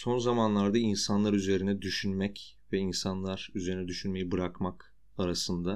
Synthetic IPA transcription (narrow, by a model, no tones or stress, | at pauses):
so̞nzamanlˠaɾd̪ainsanlˠaɾyze̞ɾinɛd̪yʃynmɛc | vɛinsanlˠaɾ̥yze̞ɾinɛd̪yʃynme̞jibɯɾakmak | aɾasɯnd̪a